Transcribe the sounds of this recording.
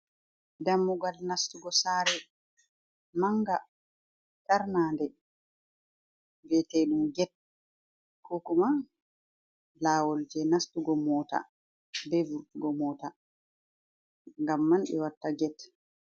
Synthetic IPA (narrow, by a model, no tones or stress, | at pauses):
damːuɡalnastuɡɔsaːɾɛ | maŋɡa | t͡ʃaɾnaːndɛ | bɛteɗumɡɛt̚ | kʰɔkuma | laːwɔld͡ʒɛnastuɡɔmɔːta̰ | bɛvuɾtuɡɔmɔːta | ŋɡamːanɗɛ̰watːaɡɛt